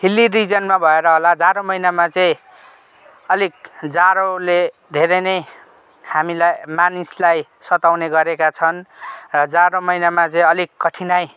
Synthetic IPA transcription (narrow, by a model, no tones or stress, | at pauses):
ɦilːirid͡zʌnmabʱʌeɾʌɦolad͡zaɾomʌjnamat͡sʌĩ | ʌlik̚d͡zaɾole | d̪ʱeɾʌjnʌj | hamilajmanislaj | sʌt̪awneɡʌɾekat͡sʰʌnrʌd͡zaɾomʌjnamat͡sʌĩʌlikːʌʈʰinaj